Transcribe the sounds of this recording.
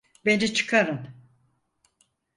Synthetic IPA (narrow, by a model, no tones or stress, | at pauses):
bend͡ʒɛt͡ʃʰɯ̥kʰaɾɯn